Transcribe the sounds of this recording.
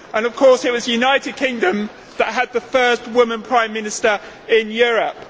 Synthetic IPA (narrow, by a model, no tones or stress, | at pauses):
ʔə̃nʌv̥kʰɔˑsɪt̚wɒzəjʉnaɪtɪd̚kʰɪ̃ŋdə̃m | ðəʔɦəd̪̚ðəfɜˑst̚wʊmə̃npʰɹ̥ãɪ̃mːɪ̃nɪstəɹ | ɪ̃njɔːɹəp̚